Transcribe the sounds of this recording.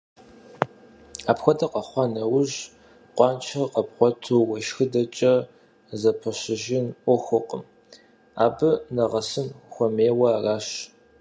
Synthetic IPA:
aːpxʷɔdɐqɐχʷɑnɐwʊʑ | qʷɑːnt͡ʃʰɐqɐpqʷɔtʰuwɐʃxɨdɐt͡ʃʼɐ | zɐpʰɐɕɪʒɪnʔʷɔxʷʊqʼəm | aːbɨnɐʁɐsɨmxʷɔmeːwɐaraːʃ

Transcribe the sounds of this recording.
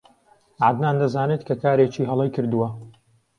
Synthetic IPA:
ʕad̪naːnd̪ɐzaːnet̪kʰɐkaːɾeːt͡ʃiːɦɐlˠɐjkɨɾd̪uwɐ

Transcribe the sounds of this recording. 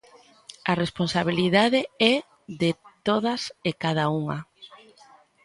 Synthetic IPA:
aresponsaβ̞iliðaðeɛ | ðet̪oðasekað̞auŋa̰

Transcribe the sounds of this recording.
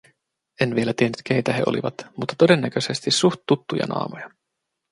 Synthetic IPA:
e̞nʋie̞læt̪ienːyt̪k̟ejt̪æɦeʔo̞̰lḭʋɑt̪mut̪ːɑ̥t̪o̞de̞nːæk̟øse̞st̪isuxt̪ːut̪ːujɑ̰nʔɑ̰ːmojɑ

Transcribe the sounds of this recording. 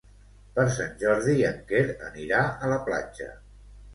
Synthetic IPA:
pəɾs̬anʲʒɔɾðiəŋkeɾə̰niɾaələpla̰d͡ʒə̰

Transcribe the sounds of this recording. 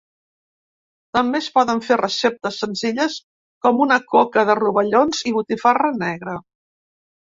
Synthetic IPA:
t̪əmbespɔðəɱferəsep̚t̪əsːənziʎəs | kɔmunəkokəðəruβəʎonziβ̞ut̪ifarənɛɣɾə

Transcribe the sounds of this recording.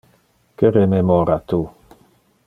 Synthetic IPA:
keɾememɔɾat̪u

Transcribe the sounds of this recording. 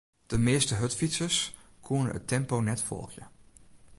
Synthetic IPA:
d̥əmɪːəstəɦɵtfitsəs | kʰunə̰ə̰tɛmponɛtfɔ̰lˠxjə̰

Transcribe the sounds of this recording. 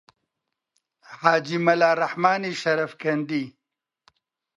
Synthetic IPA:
haːd͡ʒimɐlaːɾɐħmaːniʃɐɾɐfkɐnd̪i

